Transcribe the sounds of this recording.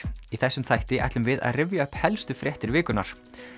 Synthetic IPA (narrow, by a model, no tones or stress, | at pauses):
iθɛsːʏmθajht̪ɪʔa̰jt̪ʏmvɪða̰ðrɪvjaœhphɛlst̪ʏfɾjɛht̪ɪɾvɪːkʏna̰ɾ̥